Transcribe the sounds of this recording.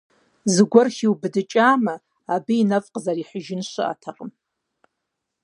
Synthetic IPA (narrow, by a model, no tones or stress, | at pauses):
zɨɡʷʊrχʲiwbɨdɨt͡ʃʼaːmaː | biinafʼqʼzaɾiħʷʊʒɪnʃʷɨ̰ʔa̰tʰaqʼəm